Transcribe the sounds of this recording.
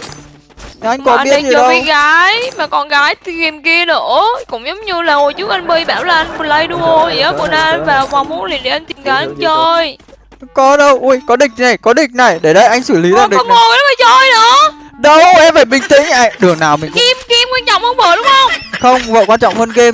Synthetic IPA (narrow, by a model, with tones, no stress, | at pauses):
ʔa˧jŋkɔ˨˦˨ɓi˦˥ə˧˨˩zi˨˧˩ɗə˧iwɣaː˨˦jmaː˨˩kɔ˧nɣaː˨˦jt̪ɣi˨˩mki˧ənə˧˩˦kʊ̰˧˥ŋ͡mzə˨˦wŋ͡mɲɨ˧laː˨˩ŋo˨˩jt͡ɕu˦˥k̚ʔa˧ŋ̟ɓə˧jɓaː˧˩wlaː˨˩ʔa˧jŋmə˨˩la˧jɗu˧ʔo˧˩i˧˩˨əː˨˦ku˧˩ənaː˧vaː˨˩wkwaː˨˩mu˨˦nlḭ˨˩ənɗe˨˧˩ʔa˧ŋt̪i˨˩mɣaː˨˦jʔa˧nt͡ɕəː˧j | kɔ˨˦ɗə˧wʔu˧˩jkɔ˨˦ɗï˨˩k̟̚na˨˩jkɔ˨˦ɗï˨˩k̟̚na˨˩jɗe˧˩ɗə˧jʔa˧jŋ̟sɨ˧˩li˨˦zaː˨˩ɗɔ˧˦ho˨˩ə˨˦məː˨˩t͡ɕəː˧jnə˧˥ɗə˧wʔɛ˧mvaː˨˧˩jɓï˧˩ŋ̟t̪ḭ̈˧˥ŋ̟ʔa̰˧˨ɗɨ˨˩əŋnaː˨˩wmï˨˩˨ŋki˧mki˧mki˧nt͡ɕɔ̰˧˨wŋ͡mhə˧wŋ͡mɓəː˧˨˩ɗʊ˨˦ŋ͡mxə˧wŋ͡mxə˧wŋ͡mvə̰ː˧˨kwaː˧nt͡ɕɔ̰˧˨wŋ͡mhəː˧nɣe˧m